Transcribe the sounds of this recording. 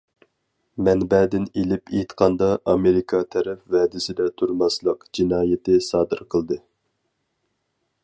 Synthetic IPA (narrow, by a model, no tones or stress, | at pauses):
mɛnbɛːd̪ɪnelɪpʰet̪qʰɑnd̪ɑɑmeɾɪkʰɑt̪ʰɛɾɛpvɛːd̪ɪsɪd̪ɛt̪ʰuɾmɑslˠəqd͡ʒinɑːjɪt̪ʰɪsɑːd̪ɨɾqʰəlˠd̪ɨ